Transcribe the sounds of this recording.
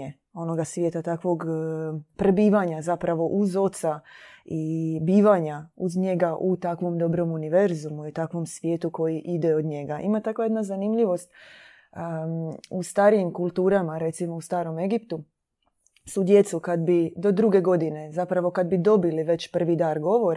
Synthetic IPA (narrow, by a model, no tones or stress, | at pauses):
e | o̞no̞ɡasʋjeːt̪at̪akʋo̞ɡ | pɾebiːʋaɲazapɾaʋo̞ʔuzo̞t̪sa | ibiːʋaɲauzɲe̞ɡaʔut̪akʋo̞md̪o̞bɾo̞muniʋe̞ɾzumuiut̪akʋo̞msʋje̞ːt̪uko̞jiʔid̪eod̪ɲe̞ɡaʔḭmat̪akʋajed̪nazanimʎiʋo̞st̪̚ː | ust̪aːɾijimkulˠt̪uːɾamaɾe̞t̪simo̞ust̪aːɾo̞me̞ɡipt̪u | sud̪je̞t̪sukad̪bid̪o̞d̪ɾuɡe̞ɡo̞d̪ine̞zapɾaʋo̞kad̪bid̪o̞biliʋe̞t͡ɕpr̩ʋid̪aːɾɡo̞ʋo̞ɾa